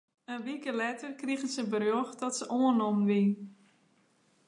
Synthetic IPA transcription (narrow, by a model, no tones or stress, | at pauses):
ənʋikəlɛtərkriɣənsəbərjoxdɔtsəʔoənɔmʋin